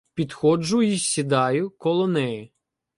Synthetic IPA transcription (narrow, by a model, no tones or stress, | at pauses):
pʲid̪xɔd͡ʒʊjisʲid̪ɑjʊkɔlˠɔnɛjɪ